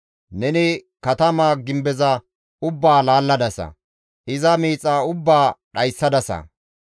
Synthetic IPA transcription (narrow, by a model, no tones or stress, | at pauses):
nɛnɪkɐt̪ɐmaːɡɪmbɛzɐ | ʊbːaːlaːlːɐd̪ɐsɐ̰ | ʔɪzɐmiːt͡sʼːaːʊbːaːɗɐjsːɐd̪ɐsɐ̰